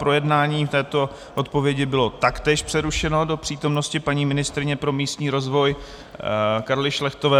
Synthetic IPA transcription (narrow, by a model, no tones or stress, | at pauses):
pɾo̞jɛdnaːɲiːft̪ɛːt̪o̞ | ʔo̞t̪̚po̞vjɛɟɪbɪlo̞t̪akt̪ɛːʃpr̥ɛɾuʃɛno̞do̞pr̥iːt̪o̞mno̞scɪpaɲiːmɪnɪst̪ɾɪɲɛpɾo̞miːst̪ɲiːɾo̞zvo̞j | kaɾlɪʃlɛxt̪o̞vɛː